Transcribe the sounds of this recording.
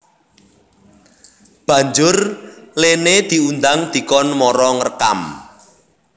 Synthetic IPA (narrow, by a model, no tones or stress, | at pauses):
b̥ä̤ɲd͡ʒʊrlened̪̥i̤und̪aŋd̪̥i̤kɔnmɔɾɔŋərka̰m